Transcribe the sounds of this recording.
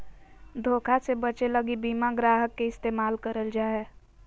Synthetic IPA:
d̪ʱoːkʰasebət͡ʃeləɡibiːmaɡɾaːɦəkːeɪst̪eːmaːlkəɾəld͡ʒaːeː

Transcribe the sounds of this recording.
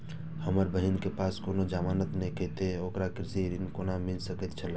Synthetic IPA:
həməɾbəɦinkepaːskoːnod͡ʒaːmaːnət̪neket̪eoːkɾakɾɪsiɾiŋkoːnamɪlsəkət̪t͡ʃʰəla

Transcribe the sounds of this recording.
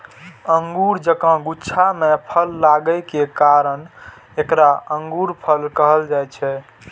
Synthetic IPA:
əŋɡuɾd͡ʒəkə̃ɡutːʃʰamepʰəlːaɡəjkekaɾən | ekɾaəŋɡuɾpʰəlkəɦəld͡ʒajt͡ʃʰɛ

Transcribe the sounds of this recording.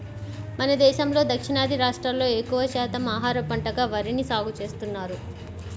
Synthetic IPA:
mɐnɐd̪ɛːʃɐmlo̞ːd̪ɐkʂinaːd̪ʱiɾaːʂʈɾɐmlo̞ːekːuʋɐʃɛːt̪ɐmaːɦaːɾɐpɐɳʈɐɡaːʋɐɾinisaːɡut͡ʃe̞ːst̪unːaːɾu

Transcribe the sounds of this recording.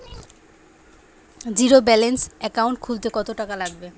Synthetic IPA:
d͡ʑiɾobɛlensɛkawɳʈ̚kʰult̪ekɔt̪oʈakalaɡ̚be

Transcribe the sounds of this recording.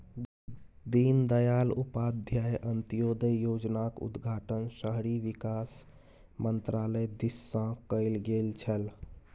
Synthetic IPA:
d̪ind̪əjalupad̪ʱjajʔənt̪ijod̪əjod͡ʒnakṵd̪ɡʱaʈənsəɦɾiʋikas | mənt̪ɾaləjd̪isːə̃kəɪlɡelt͡ʃʰəl

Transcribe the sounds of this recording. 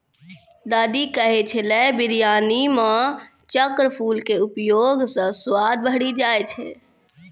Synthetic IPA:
d̪aːd̪ikəɦet͡ʃʰelɛbiɾjaːnimã | t͡ʃəkɾəpʰulkeupjoɡsə̃swad̪̚bəɦɽid͡ʒajt͡ʃʰɛ̰

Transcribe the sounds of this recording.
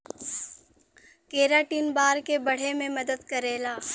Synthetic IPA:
keːɾaːʈiːnbaːɾkebɐɽ̤emẽmɐd̪əd̪kɐɾeːlaː

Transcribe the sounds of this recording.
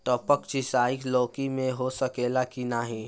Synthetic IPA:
ʈ̪ɔːpəkt͡ʃɪsaːikloːkimẽɦosɐkeːlakinaɦĩ

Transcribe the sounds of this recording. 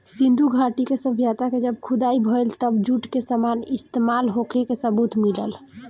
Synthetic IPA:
sĩnd̪ʱuɡʱaʈikesəbʱjat̪aked͡ʒəb̚kʰud̪aibʱəjlt̪əbd͡ʒuʈkesəmanist̪emalɦokʰekesəbut̪milə̰l

